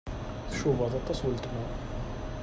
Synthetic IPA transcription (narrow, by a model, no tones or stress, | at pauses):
θʃuvɑðˤɑt̪ˤːɑsˤwələt̪mæ